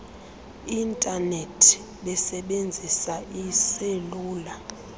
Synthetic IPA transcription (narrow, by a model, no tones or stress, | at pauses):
intʼanetʰ | ɓɛsɛɓend͡zʱisaiseluːla